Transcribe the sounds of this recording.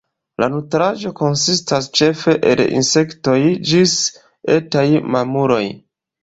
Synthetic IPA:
lʔa̰nutɾad͡ʒo̞ko̞nsistast͡ʃe̞fe̞ʔḛlḭnse̞kto̞jd͡ʒis | etajmamuɾo̞j

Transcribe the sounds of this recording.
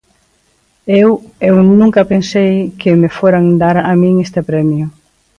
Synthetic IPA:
ewewnũŋkɐpensejkɪmefoɾaŋd̪aɾamĩŋest̪epɾɛmjʊ

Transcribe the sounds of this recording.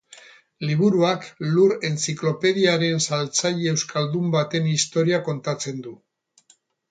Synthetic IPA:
liβuɾuakluɾe̞nt͡siklo̞pe̞ðiaɾe̞nsalt͡saʎeːwskald̪umbat̪e̞nist̪o̞ɾiako̞nt̪at͡se̞nd̪u

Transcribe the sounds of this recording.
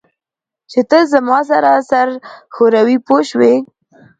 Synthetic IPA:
t͡ʃet̪əzamɑs̬aɾasaɾxoɾawipoʃwe

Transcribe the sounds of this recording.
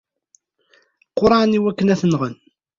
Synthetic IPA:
qːʊɾˤɑʕniwækːənæθənʁən

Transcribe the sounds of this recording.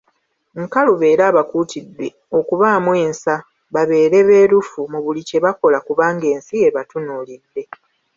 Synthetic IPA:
ŋkaluβe̞ːɾaːβakuːtid̪ːe̞ | o̞kuβaːmwe̞ːnsa | βaβe̞ːɾe̞βe̞ːɾufumuβulice̞βako̞lakuβaːŋɡe̞ːnsie̞βatunuːlid̪ːe̞

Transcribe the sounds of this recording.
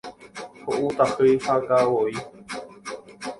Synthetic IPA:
hoʔut̪ahɨjhakawoi

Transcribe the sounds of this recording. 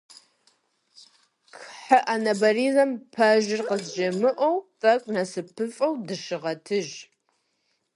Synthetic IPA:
kħaʔanɐbɐrizɐmpʰɐʒɪrqəzʒɐmɨʔʷɔwtʼɐkʷʼnɐsɨpʰɨfʼɐwdɨʃɪʁɐtʰɨʒ

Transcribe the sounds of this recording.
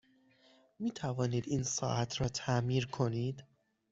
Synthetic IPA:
miːt̪ʰævɒːniːd̪iːnsɒ̰ːʔæt̪ʰɾɒːt̪ʰæmiːɾkʰo̞niːd̪

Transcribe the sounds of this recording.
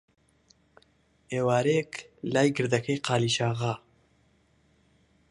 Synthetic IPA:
eːwaːɾeklaːjɡɨɾd̪ɐkʰɐjqaːliːʃaːɣa

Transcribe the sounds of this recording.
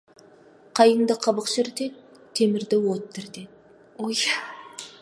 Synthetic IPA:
qʰɑjəɴd̪əqʰɑbəqʃɪɾt̪et̪ | t̪ʰːe̞mɪɾd̪ɪwot̪ːɪɾt̪et̪̚ | oj

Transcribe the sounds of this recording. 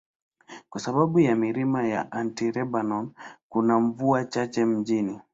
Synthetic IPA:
kwasaɓaɓujamiɾimaja̰ʔantiɾɛbanɔnkunaɱvuat͡ʃat͡ʃɛm̩d͡ʒini

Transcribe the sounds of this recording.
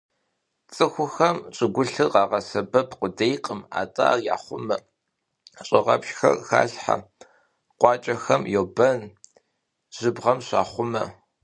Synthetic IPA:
t͡sʼɨxʷʊxɐmt͡ʃʼɪɡʷʊɬɨqɑːʁɐsɐbɐpʰqʷʊdejqʼəma̰ːtʼa̰ːja̰ːχʷʊmɐ | ɕʼɪʁɐ̰pʃxɐ̰rxa̰ːɬħa̰ | qʷɑːt͡ʃʼɐxɐmjowbɐn | ʒ̥ɨbʁɐmɕɑ̰ːχʷʊmɐ

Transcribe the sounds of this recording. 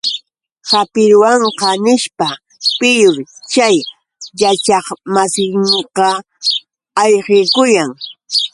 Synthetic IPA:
hapɪɾwɑɴqɑnɪʃpa | pɪjʊɾt͡ʃaj | jat͡ʃɑχmasɪŋqɑ | ɑjqekʊjaŋ

